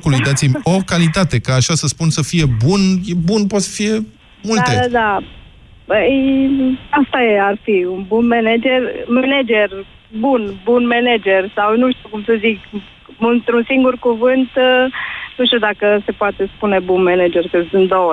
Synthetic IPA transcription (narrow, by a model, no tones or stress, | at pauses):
kulujd̪at̪simʲo̞kalit̪at̪e̞kaːʃasəspunsəfije̞bunjebunpot̪sə̥fije̞ | mult̪ead̪a | pəj | ast̪ajearfiunbunmened͡ʒe̞rmened͡ʒer | bunbunmened͡ʒe̞rsawnuʃt̪ukumsəzik | unt̪ɾunsiŋɡurkuvɨnt̪ | nuʃt̪iud̪akəse̞poat̪e̞spune̞bunmened͡ʒe̞rkəsɨnd̪owə